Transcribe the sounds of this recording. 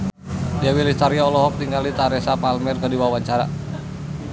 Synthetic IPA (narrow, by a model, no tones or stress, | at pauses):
diawilist̪aɾiɔlɔɦɔk̚t̪iŋɡalit̪aɾɛsapalmɛrkədiwawaɲt͡ʃaɾa